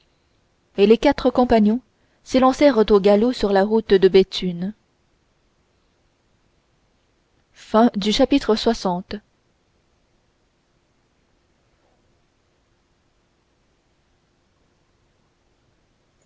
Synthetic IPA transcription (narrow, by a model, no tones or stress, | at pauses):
elekat̪χəkɔ̃paɲjɔ̃ | selɑ̃sɛʁət̪oɡalosyʁlaʁut̪d̪əbet̪ʰyn | fɛ̃d̪yʃapit̪χəswasɑ̃t̪